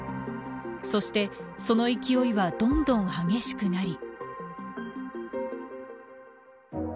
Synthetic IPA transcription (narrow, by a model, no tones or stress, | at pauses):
so̞ɕi̥t̪e̞so̞no̞ikʲio̞iβad̪õ̞nd̪õ̞ɰ̃haɡe̞ɕi̥kɯ̟naɾʲi